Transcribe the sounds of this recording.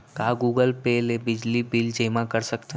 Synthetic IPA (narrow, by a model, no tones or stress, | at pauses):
kaːɡuːɡəlpeːlebɪd͡ʒlibɪld͡ʒeːmãkəɾsɐkt̪e